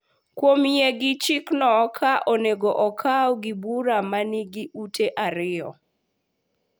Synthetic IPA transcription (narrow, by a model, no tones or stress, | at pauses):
kwomjeɡɪt͡ʃiknɔkʰaʔoneɡoʔɔkʰaɔɡɪbuɾamanɪɡiutʰeʔaɾɪɔ̰